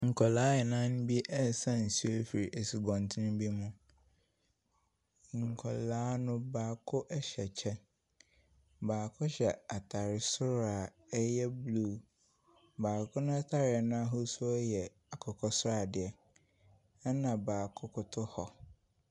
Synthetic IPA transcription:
ŋ̩˨kʰɔ˨laː˨˦ɛ˨nã˦nʊ̃˦bi˦ʔɛ˦˨sã˦n̩˨si˦fi˨ɾi˨ʔe˨si˨ɡɔ̃˨n˨tʰɪ˦nʊ̃˦bi˦mũ˦ | ŋ˨ŋ̩˨kʰɔ˨laː˦nʊ̃˦baː˨kʰʊ˦ʔɛ˦ɕɛ˨t͡ɕʰɛ˦n | baː˨kʰʊ˦ɕɛ˨a˨tʰa˨ɾɪ˨sʊ˦ɾa˨ | ɛ˦jɛ˦blu˦˨ | baː˨kʰʊ˦nʊ̃˦a˦tʰa˦ɾɪ˨ɛ˨nã˦a˦ɦʊ˦sʊ˦ɔ˦jɛ˨ | a˨kʰɔ˨kʰɔ˦sʊ˦ɾa˨dɪ˨ɛ˦ | ɛ˦nã˨baː˨kʰʊ˦kʰʊ˦tʰʊ˦hɔ˨

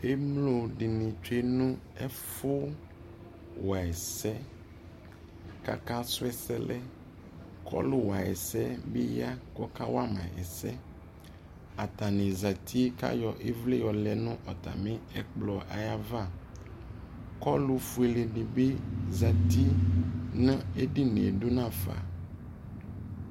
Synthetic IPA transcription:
e˦mlo˨ɖɪ˨nɪ̃˨t͡ʃe˦nʊ̃˦ɛ˦fʊ˦ | wa˨ɛ˨sɛ˦ | ka̰˨ka˦sʊ˦ɛ˦sɛ˦lɛ˦ | kʰɔ̰˦lʊ˦wa˨ɛ̰˨sɛ˦be˦ja˦kɔ˦ka˦wa˦mã̰˨ʔɛ̰˨sɛ˦ | a˨t̪a˨nẽ˨za˨t̪ʰi˦ka̰˦jɔ˨ʔe˦vle˦jɔ˨lɛ˨nʊ̃˦ʔɔ˨t̪a̰˨mẽ˦ɛ˨k͡plɔ˨ʔa˨ja˨va˦˨ | kɔ˦lu˦fu˨˦e˨le˨ɖi˨be˦za˨t̪i˦nã˦e˦ɖi˦ne˨ɖo˦nã˦˨fa̰˨

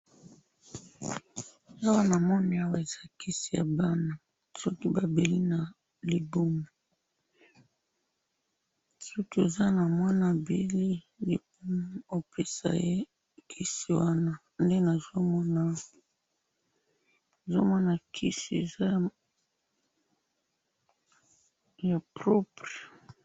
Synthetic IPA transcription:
a˦wa˦na˨mɔ˦ni˨˦a˦wa˦˨e˨z̥a˦ki˦si˨ja̰˨ba˦na˨ | sɔ˦ki˦ba˨be˨li˦na˨ | li˨bo˦mo˨ | su˦tu˦e˨za˦na˨mwa˦na˨be˨li˦ | de˨bo˦pe˦sa̰˨je˦ | kʰi˦si˨wa˦na˦ | nde˦na˨zo˦mɔ˦na˦ | e˨zo˦mɔ˦na˨kʰi˦si˨ḛ˨za˦˨ | ja˨pʁɔ˦pʁe˨

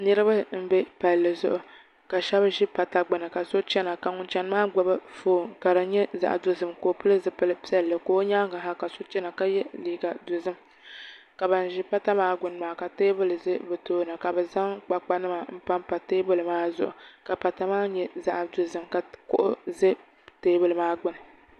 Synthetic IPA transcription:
nɨ˦ɾɨ˦ba˦m̩˦bɛ˦pa˨lːɨ˨zʊ̰˦ʔʊ˨ | ka˨ʃɛ˦bʒi˦pa˨ta˨ɡ͡bɨ˨nɨ˨ka˨so˦t͡ʃɛ˦na˨ka˨ŋʊ˦nt͡ʃɛ˦n˦maː˦ɡ͡ba˦ba˦foː˨ŋka˨ɾɨ˨˦ɲɛ˦za̰˨ʔdʊ˨˦zɨ˨mkoː˨pɨ˦lɨ˦zɨ˦pɨ˦lɨ˦pi˦ɛ˦lːɨ˨koː˦ɲaː˦ŋɡa˨ɦa˦ka˨so˦t͡ʃɛ˦na˨ka˦jɛ˦liː˦˨ɡa˨dʊ˨zɨ˦m | ka˨ba˨n˨ʒi˦pa˦ta˦maː˦ɡʊ˨n˨maː˨ka˨teː˦bɨ˦lɨ˨zɨ˦bɨ˨toː˦˨nɨ˨ka˨bɛ˨za˦ŋk͡pa˨k͡pa˦nɨ˦ma˨m̩˦pa˦mpa˨teː˦bɨ˦lɨ˨maː˦zʊ̰˨ʔʊ̰˨ka˨pa˨ta˨maː˦ɲɛ˦za̰˦ʔdʊ˨zɨ˦˨mka˨kʊ̰˦ʔʊ˦zɨ˦ | teː˦bɨ˦lɨ˨maː˦ɡ͡bʊ˦nɨ˨

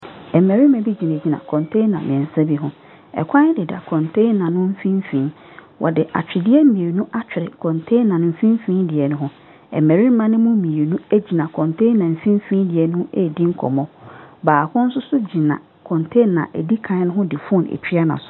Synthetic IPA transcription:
ɛ˨mɛ˨ɾi˦mã˨bi˦d͡ʑi˨nɛ̃˨d͡ʑi˨nã̰˨kʰɔ̃˨ntʰe˦nã̰˨mɪ̃˨ɛ̃˨n˨sa˦bi˦ɦʊ̃˦ | ɛ̰˨kʷʰa˦ɪ˦dɪ˨da̰˨kʰɔ̃˨ntʰe˦nːã˨nʊ̃˦m̩˦fĩ˦m˦fĩ˨˦n | wʔɔ̰˨dɪ˨ʔa̰˨t͡ɕᶣɪ˨dɪ˦ɛ˦mĩ˨ɾnũ˦ʔa˦t͡ɕᶣɪ˨ɾɪ˨kʰɔ̃˨ntʰe˦nːã˨nʊ̃˨m̩˨˦fĩ˦m˦fĩː˦ndɪ˨ɛ˨nʊ̃˦ɦʊ̃˦ | ɛ̰˨mæ˨ɾi˦mã˦nɪ̃˦mʊ̃˦mĩ˨e˨ɾnũ˦e˦d͡ʑi˨nã˨kʰɔ̃˨ntʰẽ˦nːã˨m̩˨fĩ˦m˦fĩ˦n˦dɪ˨ɛ˨nʊ̃˦e˦˨dĩ˦ŋ̩˦kʰɔ̰˨mɔ̃˦baː˨kʊ̃˦n̩˦sʊ˦sʊ˦d͡ʑi˨nã̰˨ | kʰɔ̃˨ntʰẽ˦nːã̰˨ʔe˨di˦kʰã˨˦nʊ̃˦ɦʊ̃˦dɪ˨fũ˦nḛ˨t͡ɕᶣi˦a˦nã̰˨sʊ̥˦˨˦

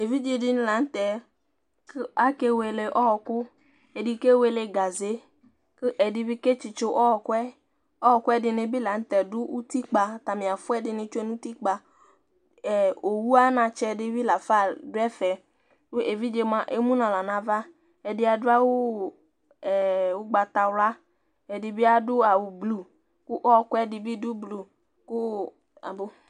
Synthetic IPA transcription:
e˨vi˦d͡ʒe˨dɪ˦n˦la˨n̩˦t̪ɛ˨ | ka˦ke˦we˨le˨ʔɔ˦ɔ˨kʊ˦ | ɛ˨dɪ˨ke˦we˨le˨ɡa˨ze˦ | kɪ˦ʔɛ˨dɪ˦bi˦ke˦t͡ʃɪ˨t͡ʃʊ˦ʔɔ˦ɔ˨kʊ˦ɛ˦ | ɔ˦ɔ˨kʊ˦ɛ˦dɪ˨ne˨bi˦la˨n̩˦t̪ɛ˨dʊ˦ʔu˦ti˦k͡pa˨ta˨mɪ̃˨a˨fʊ˦ɛ˦dɪ˨nɪ˧t͡ʃe˦nu˦ti˦k͡pa˨ | ɛ˨o˨wu˦a˦nã˧t͡ʃɛ˧dɪ˦vi˦la˨fa˦˨dʊ˦ɛ˦fɛ˨ | ʊ˦ʔe˨vi˦d͡ʒe˧mã˨ʔe˦mũ˦nã˨la˨nã˨va˦ | ɛ˨dɪ˦a˨dʊ˦a˦wʊ˦ | ɛ˨wʊ˦ɡ͡ba˧t̪a˨wla˦ | ɛ˨dɪ˨bɪ˦a˦dʊ˦a˨wʊ˨blu˨ | kʊ˦ʔɔ˦˨kwɛ˦dɪ˧bi˦dʊ˦blu˨ | kʊ˦ | a̰˨bo˦

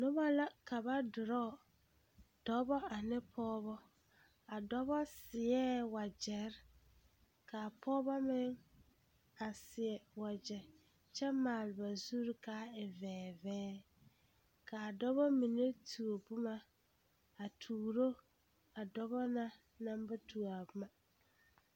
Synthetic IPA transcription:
nʊ˦ba˦la˦ka˨ba˦dʊ˨ɾɔ˦˨ | d̥ɔ˦bɔ˦a˨nɪ˦pʰɔː˦bɔ˦ | a˨dɔ˦bɔ˦sɪ˨ɛː˦wa˨d͡ʒɛ˨ɾ | ka˨pʰɔː˦bɔ˦mɪ˦ŋ | a˨sɪ˨ɛ˨wa˨d͡ʒɛ˨ | t͡ʃʰɛ˦maː˨lɪ˨ba˨zu˦ɾkʰa˦ɪ˨vɛː˨vɛː˦ | kʰa˨dɔ˦bɔ˦mĩ˨ne˦tʰu˨o˨bʊ˦ma˨ | a˨tʰuː˨ɾo˦ | a˨dɔ˦bɔ˦nã˦ | nã˦m˦ba˦tʰu˨a˨bʊ˦ma˨

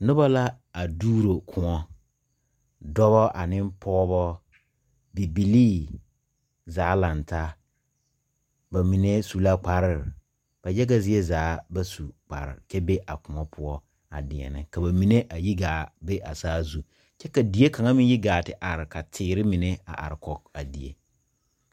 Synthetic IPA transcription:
nʊ˦ba˦la˦ | a˨duː˦ɾo˨kʰʊ̃˨ɔ˦ | dɔ˦βɔ˦ʔa̰˨nɪ˦mpʰɔː˦βɔ˦ | bi˨bi˨liː˦ | zaː˨˦la˨nta˦ | ba˨mi˨ne˦su˨la˦k͡pa˨ɾɪ˦˨ɾɪ˨ | b̥a˨jɛ˦ɡa˦zɪ˦ɛ˦zaː˨˦ba˦su˨k͡pa̰˨ɾɪ̰˨ɾt͡ʃɛ˦be˦ʔa̰˨kʊ˨ŋɔ˦pʰʊ˦ɔ˦ | a̰˨dɪ˨ɛ̰˨nɪ̰˨ka˨ba˨mi˨ne˦ʔa˨ji˦ɡaː˨be˦ʔa˨saː˦zu˨ | t͡ʃɛ˦ka˨di˨˦e˦ka˨ŋa˦mɪ˦ji˦ɡaː˨tɪ˨ʔa˨ɾɪ˨ka˨tʰɪː˨˦ɾɪ˦mɪ˨ne˦a̰˨ʔa̰˨ɾɪ˨kɔ˨ka˨di˨ḛ˦

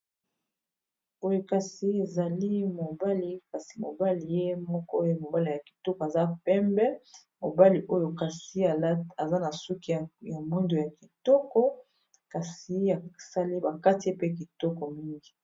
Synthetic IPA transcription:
o˦jo˨ka˨si˨e˨za˨li˦mo˨ba˦li˦ka˨si˨mo̰˨ba˦li˨je˦mɔ˦kɔ˦o˦jo˦mo˨ba˦li˨ja˨ki̥˨tɔ˦kɔ˨a˨za˦pɛ˦mbɛ˦ | mo˨ba˦li˨ʔo˦jo˨ka˨si˨˦a˨˦a˨za˦na˨su˦ki˨a˨ja˨mu˦ndo˨ja˨ki˨tɔ˦kɔ˦ | ka˨si˨ja˨sa˦li˦ba˨ka˦ti˨je˦pe˦k̬i˨tɔ˦kɔ˨mi˦ŋɡi˨˦

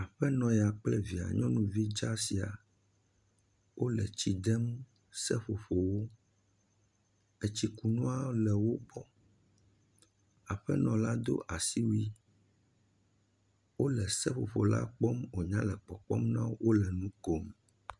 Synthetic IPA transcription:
a˨ɸɛ˦nɔ̃˨jɛ˨a˨k͡plɛ˦vi˨a̰˨ɲɔ̃˦nũ˦vi˦d͡ʒa˦si˨a̰˨ | wʔo˦lɛ̰˨t͡ɕi˨d̪ɛ˦m | sɛ˦ɸo˨ɸo˨wo˦ | ɛ˦t͡ɕi˦ku˨nɔ̃˦a˦lɛ˨wo˦bɔ˦ | a˨ɸɛ˦nɔ̃˨la˦d̪o̰˦ʔa˨si˦wu˦i˦ | wo˦lɛ˨sɛ˦ɸo˨ɸo˨la̰˦k͡pɔ˦mo˨ɲã˦lɛ˨k͡pɔ˨k͡pɔ̰˦mnã˦wo˦wo˦lɛ˨nũ˦ko˦m

